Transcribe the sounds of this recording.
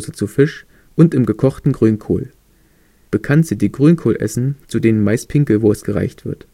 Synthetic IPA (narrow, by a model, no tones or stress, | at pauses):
zət͡sufɪʃ | ʔʊntɪmɡəkʰɔχtn̩ɡʁyːnkʰo̰ːl | b̥əkʰantz̥idiːɡʁyːnkʰoːlʔɛ̰sn̩t͡sudeːnənmaɪspʰɪŋkl̩voːsɡ̥əʁa̰ɪçtv̥ɪɐt